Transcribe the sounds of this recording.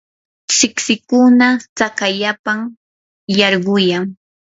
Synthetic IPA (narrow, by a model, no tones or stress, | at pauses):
sɪksɪkʊnat͡sakaʎapaŋ | jɑɾɢʊjaŋ